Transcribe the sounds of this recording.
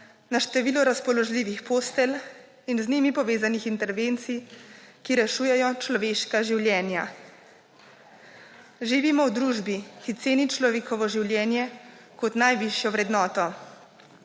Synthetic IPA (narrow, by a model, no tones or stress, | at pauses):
naʃt̪ɛʋiːlɔɾaspɔlɔʒliːʋixpost̪ɛl | inzniːmipɔʋeːzanixint̪ɛɾʋeːnt̪sijkiɾɛʃuːjɛjɔt͡ʃlɔʋeːʃkaʒiwljɛːnja | ʒiʋimɔwd̪ɾuːʒbixit̪seːnit͡ʃlɔʋeːkɔʋɔʒiwljɛːnjɛ | kɔt̪najʋiʃjɔʋɾɛd̪nɔːt̪ɔ